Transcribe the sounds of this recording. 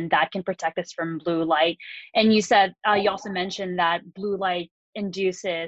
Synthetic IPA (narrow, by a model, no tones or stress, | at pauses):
nðət̚kʰɨ̃n̩pɹ̥ɨtʰɛk̚tʌsfɹʌ̃mblulaɪt̚ʔɨ̃njɨsɛd̚ʌjɨɔlˠsoʊmɛ̃nʃɨ̃nðət̚b̥lulaɪɾ̚ | ɨ̃ndʉsɪ